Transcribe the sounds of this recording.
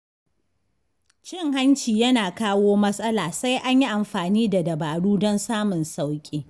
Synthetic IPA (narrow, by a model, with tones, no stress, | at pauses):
t͡ʃɪ˦ŋɦa˦nt͡ʃiː˨jɐ˦naː˨kaː˦woː˦mɐ˦sʼɐ˦laː˨sa˦jʔa˦ɲji˦ʔa˨mɸaː˨niː˦da˨dɐ˨baː˨ɽuː˦dɔ˦nsaː˦mʊ˨nsa˦wkʲʼeː˦